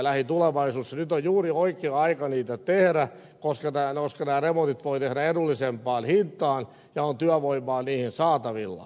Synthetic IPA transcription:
læhit̪uleʋɑisuːsːɑnyt̪ojjuːrioikeːɑikɑniːt̪æt̪ehɾæ | koskɑnæːnoskɑnæːremot̪it̪ʋoit̪ehɾæedulːisempɑːnhint̪ːˑɑːn | jɑont̪yæʋoimːˑɑːniːhinsɑːt̪ɑʋilːɑ̰

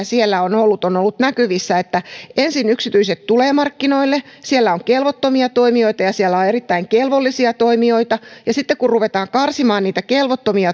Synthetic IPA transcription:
sielːæonolːut̪onolːut̪nækyʋisːæet̪ːæensinyksit̪yiset̪t̪uleːmɑrkːinoilːesielːæoŋkelʋot̪ːomiɑt̪oimio̞it̪ɑjɑsielːæoerit̪ːæiŋkelʋolːisiɑt̪oimio̞it̪ɑjɑsit̪ːekkurruʋet̪ɑːŋkɑrsimɑːnniːt̪ækelʋot̪ːomiɑ

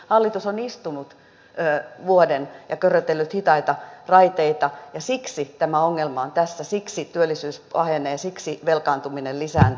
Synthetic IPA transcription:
hɑlːit̪usonist̪unut̪ | øːʋuodenjɑkørːøt̪elːyt̪hit̪ɑit̪ɑrɑit̪eit̪ɑjɑsiksit̪æmæoŋːelmɑont̪æsːæsiksit̪yølːˑisyːsɑheneːsiksiʋelkɑːnt̪uminellisæːn

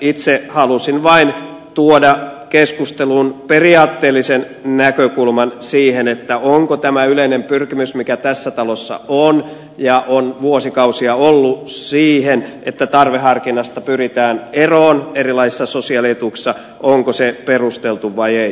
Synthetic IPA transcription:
it̪sehɑlusinʋɑint̪uodɑkeskust̪elunperiɑːt̪ːeːlːisen | nækøkulmɑnsiːhenet̪ːæoŋkot̪æmæyleinempyrkimysmikæt̪æsːæt̪ɑlosːɑ̰on | jɑʔonʋuosikɑusiɑolːussiːhenet̪ːæt̪ɑrʋehɦɑrkinɑst̪ɑpyrit̪æːneroːnerilɑisi̥sːɑsosiɑlet̪uːksːɑ | ʔoŋkoseperust̪elt̪uʋʋɑiei

